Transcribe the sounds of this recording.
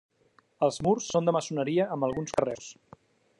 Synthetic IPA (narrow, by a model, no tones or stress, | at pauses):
əlˠzmursːond̪əməsunəɾiəʔəmbəlˠɣunskəres